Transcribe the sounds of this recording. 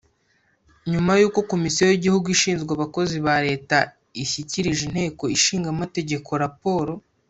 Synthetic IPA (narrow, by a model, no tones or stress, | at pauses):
ɲumajuːko̞ko̞misiojiɟihuɡuiʃiːnzɡwaβako̞ziβaɾe̞ːta | içiciɾiʒin̥he̞ːko̞iʃiːŋɡamate̞ɟe̞kʰo̞ɾapo̞ːɾo̞